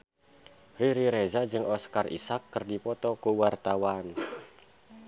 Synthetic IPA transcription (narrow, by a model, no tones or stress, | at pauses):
riɾiɾezad͡ʒɨŋɔskarʔḭsakːərdipɔt̪ɔkuwart̪awan